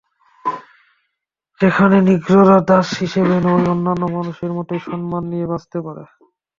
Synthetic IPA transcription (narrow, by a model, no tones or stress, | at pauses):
ʃekʰaneniɡɾoɾaɾd̪aʃɦiʃebenojonːanːomanuʃeɾmoʈeʃɔnmanːijebast̪epaɾḛ